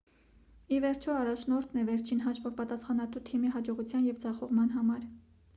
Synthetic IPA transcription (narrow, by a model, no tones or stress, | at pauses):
ivɛɾt͡ʃʰɔɑrɑt͡ʃʰnɔɾt̪ʰnɛvɛɾt͡ʃʰinɦɑʃvɔvpɑt̪ɑsχɑnɑt̪ut̪ʰimiɦɑd͡ʒɔʁut͡sʰjɑnjɛvd͡zɑχɔʁmɑnɦɑmɑɾ